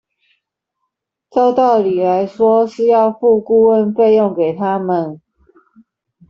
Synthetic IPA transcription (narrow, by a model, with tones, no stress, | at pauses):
so˥˧ʊt̪ɑ˥˨ʊli˨˩la˨˦ɪʂwɔ˥˦ʂɻ̩˥˧jɑ˥˧ʊfu˥˧ku˥wə˧nfe˥˧ɪjɔ˥˨ŋke˨˩ɪt̪ʰa˦mə˨n